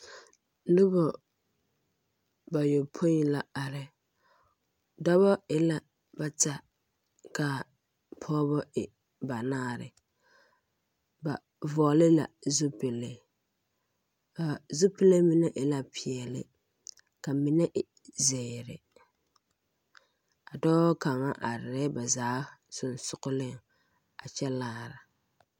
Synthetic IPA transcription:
nʊ˦bɔ˨ | ba˨jo˨pʰo˦i˨la˨a˨ɾɪ˨ | dɔ˦bɔ˦ɪ˨la˨ | ba˨ta˨ | ka˨ | pʰɔː˦bɔ˦ɪ˨ | ba˨naː˦˨ɾɪ̰˨ | ba˨ | vɔː˨lɪ˦la̰˨zʊ˦pɪ˨lɪ˦ | a˨zʊ˦pɪ˦le˦mi˨nɛ˦ʔɪ˨la˨pʰɪ˨ɛ˨lɪ̰˦ | ka˨mɪ˨nɛ˦ʔɪ˨ | zɛ˨ɾɪ˨ | a˨dɔː˦ka˨ŋa˦ʔa˨ɾɪ˨ɾɛ˦ba˨zaː˨˦sʊ˨nsʊ˨ɣʊ˦lɪ˦˨ŋ | a˨t͡ʃɛ˦laː˦ɾa˨

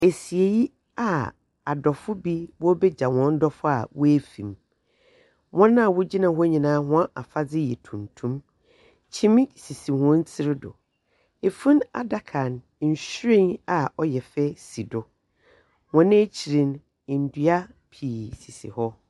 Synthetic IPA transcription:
e˨si˨e˨ji˦ | a˨ | a˨dɔ˨fʊ˦bi˦bɔ˦bɛ˦d͡ʑa˨wɔ̃˨n̩˦dɔ˦fʊ˦a̰˨wʊ˦æ˦fḭ̃˨m | wɔ̃˦nã˦˨wʊ˦d͡ʑi˦nã˨hʊ˦ɲĩ˨nãː˨˦hʊ̃˦a˦ʔa˨fa˦d͡zɪ˦jɛ˨tʰũ˨mtʰũ˦m | t͡ɕʰĩ˦m̃˦si˨si˨hɔ̃˦n̩˦t͡sʰɪ˦ɾɪ˦dʊ̰˨ | e˨fũ˦na̰˨da˨kʰã˨n˨ | n̩˨ɕɾĩ˦na˨ɔ˦jɛ˨fɛ˦si˨dʊ˨ | wɔ̃˨nɪ̃˦t͡ɕʰi˨ɾĩ˨n˨ | n̩˨dɥa˦ | pʰiː˨si˨sḭ˨hɔ˦

